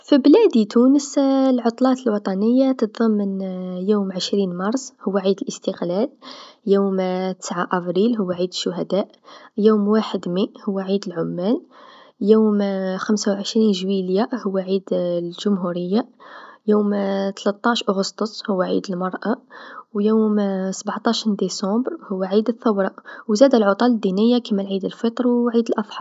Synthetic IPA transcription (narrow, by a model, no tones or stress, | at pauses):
fiblæd̪it̪unəslʕot̪ˤlɑt̪əlwɑt̪ˤɑnəjːat̪ət̪ðˤɑmːənjuːmʕəʃɾinmɑɾˤsˤhʊwːæʕid̪əlʔəst̪əqlæljumt̪ə̥sʕaʔæbɾilɦʊwːaʕid̪əʃːʊɦæd̪æʔ | jumwaħəd̪miʔhʊwːæʕid̪əlʕʊmːæl | juːmxəmsawʕəʃɾinʒwiljahʊwːæʕid̪lʒʊmɦuɾəjːajuːmt̪læt̪ˤːɑʃʔʊɣəst̪osˤhʊwːæʕḭd̪əlmɑɾˤʔawjumsbʕt̪ˤɑʃind̪isɑ̃bɾhʊwːæʕid̪əθːəwɾˤɑʔwzæd̪ælʕot̪ˤɑləd̪ːinəjːakəməlʕid̪əlfət̪ˤɾˤwʕid̪əlʔɑsˤħɑ